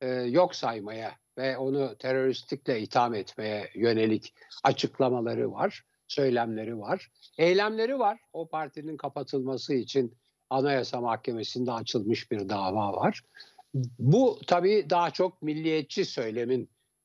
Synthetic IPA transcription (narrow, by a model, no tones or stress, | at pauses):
jo̞ksajmaja | vɛo̞nut̪ʰe̞ɾo̞ɾist̪ʰiclʲɛit̪ʰamɛt̪me̞jɛjø̞ne̞lʲicat͡ʃʰɯklˠamalˠaɾɯ̰va̰ɾ̥ | sø̞jlʲæmlʲe̞ɾivaɾ̥ɛjlʲæmlʲe̞ɾivaɾ̥o̞pʰaɾt̪ʰininkʰapat̪ʰɯlˠmasɯit͡ʃʰin | anajasamahcʰe̞me̞sind̪ɛːt͡ʃʰɯlˠmɯʃbiɾd̪aːvaːvaɾ̥ | but̪ʰabiːd̪aɦat͡ʃʰo̞k̚milʲːijɛt̪̚t͡ʃʰːisø̞jlʲe̞min